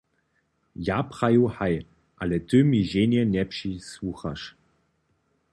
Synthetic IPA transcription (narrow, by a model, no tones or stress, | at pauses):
japχajuhaj | ʔalɛt̪ømiʒeːnɛnʲɛpʃiswuxa̰ʃ